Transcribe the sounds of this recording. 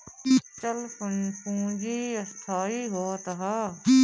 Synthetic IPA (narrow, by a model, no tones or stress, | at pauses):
t͡ʃəlfʊfũːd͡ʒiɐst̪ʰaːiɦoːt̪ɦaː